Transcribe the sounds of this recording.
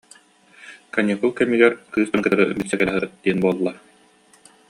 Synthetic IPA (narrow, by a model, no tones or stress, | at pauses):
kaniɦukɛmiɡɛɾkɯːst̪ankɯt̪aɾɯbisɛkɛɦɯd̪̥iɛnbuɔlˠːa